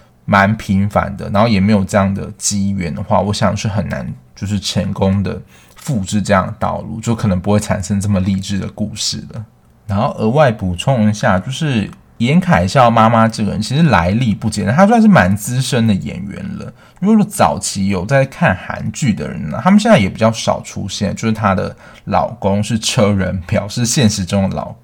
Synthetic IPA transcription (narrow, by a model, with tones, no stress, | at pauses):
ma˧˥npʰi˧˥ŋfa̰˧˥nd̪ə̰˩na˧˥nxo˥˩jɛ˨˩me˧˥ɪjo˨˩ʊʈ͡ʂɤ˥˧jɑ˥˩ŋd̪ə̰˩t͡ɕi˥ɥɛ˧˥nd̪ə˨xwa̰˥˩wɔ˧˥ɕjɑ̰˨˩ŋʂɻ̩˥˩xə˨˩nːa̰˧˦˥nt͡ɕjo˥˧ʊʂ̬ɻ̩˥˩ʈ͡ʂʰə˧˥ŋkʊ˥ŋd̪ə̰˨ | fu˥˧ʈ͡ʂɻ̩˥˧ʈ͡ʂɤ˥˧jɑ̰˥˩ŋə˩t̪ɑ̰˥˧ʊlṵ˥˩t͡ɕjo˥˩kʰɤ˨˩nə˧˥ŋpu˥xwe˥˩ɪʈ͡ʂʰa̰˨˩nʂə˥ŋʈ͡ʂɤ˥˩mə˩li˥˧ʈ͡ʂɻ̩˥˩d̪ə˩ku˥˧ʂɻ̩˥˩lə̰˩ | na˧˥nxo˥˩ʊʔə˧˥wa˥˩ɪpu˨˩t͡sʰʊ˥˧ŋ˧ɕja˥˧t͡ɕjo˥˧ʊʂɻ̩˥˩ | jɛ˧˥nkʰa˨˩ɪɕjɑ˥˩ʊma˥ma˥ʈ͡ʂɤ˥˩ɡə˨˩ɻə̰˧˦nt͡ɕʰi˧˥ʂɻ̩˥la˧˥ɪli˥˧pu˥˩t͡ɕjɛ˥˩n˨t̪a˥u˧˥swnʂɻ̩˥˩ma˧˥nt͡sɹ̩˥ʂə˥nd̪ə˨jɛ̰˨˩nɥɛ̰˧˥nlə̰˨˦˥ko˨˩ʈ͡ʂo˥˩t͡sɑ˨˩ʊt͡ɕʰi˧˥jo˨˩ʊt͡sa˥˧ɪkʰa˥˩nxa̰˧˥nt͡ɕy˥˩d̪ə̰˩ɻə̰˧˦nlə̰˨˩t̪ʰa˥mə˨nɕjnt͡sa˥˩ɪjɛ˨˩pi˨˩t͡ɕjɑ˥˩ʊʂɑ̰˨˩ʊʈ͡ʂʰṵ˥ɕjɛ̰˥˩nt͡ɕjo˥˧ʂ̩˥˩t̪ʰa˥d̪ə̰˨ | lɑ̰˨˩ʊkʊ˥ŋʂɻ̩˥˩ʈ͡ʂʰɤ˥ɻə˧˥npjɑ˨˩ʊʂɻ̩˥˧ɕjɛ˥˩nʂɻ̩˧˥ʈ͡ʂʊ˥ŋə˨˩lɑ̰˨˩ʊ